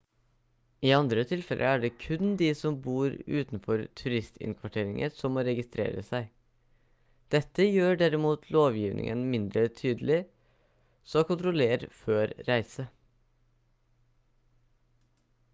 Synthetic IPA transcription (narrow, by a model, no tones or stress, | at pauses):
iːɑnd̪ɾət̪ʰɪlfɛlʔə̰æɖɛːkʰʉnd̪isɔmbuːɾʉ̰ːt̪nfɔɾt̪ʰʉɾɪst̪ʰɪ̰nkʰʋɑʈʰeːɾɪŋʔəsɔmːoːɾɛɡɪst̪ɾḛːɾə̰sæɪ | d̪̥ɛt̪ːəjøːɖæɾɪmuːt̪ʰloːʋjiːʋnʔɪ̰ŋʔənmɪnd̪ɾət̪ʰyːd̪əlɪ | sɔːkʊnt̪ɾɔleːɾføːɾɾæɪsə